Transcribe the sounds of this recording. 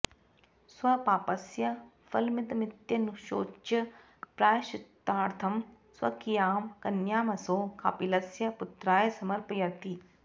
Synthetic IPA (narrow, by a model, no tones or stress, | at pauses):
swɐpaːpɐsjɐ | fɐlmɪt̪ɐmɪt̪jɐnuʃo̰ːt͡ʃɐ | pɾaːjʃɪt̪ːaːɾt̪ʰɐm | swɐ̰kijaːmkɐnjaːmɐsoːkʰa̰ːpilɐsjɐpʊt̪ɾaːjɐsɐmɐɾpjɐt̪i